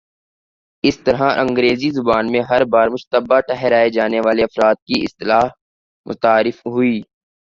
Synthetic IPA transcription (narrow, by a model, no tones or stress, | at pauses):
ɪst̪ɐɾɦaʔɐ̃ŋɡɾeːzizʊbaːnmẽɦɐɾbaːɾmʊʃt̪əbaʈɛɦɛɾaːed͡ʒaːneʋaːleɐfɾaːt̪̚kiɪ̰st̪ɪlaːɦ | mʊ̰t̪aːɾɪfɦʊiː